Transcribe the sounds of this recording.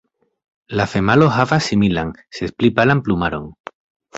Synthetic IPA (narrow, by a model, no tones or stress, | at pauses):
lafemaloɦavasimilaŋsesplipalamplumaɾo̰ŋ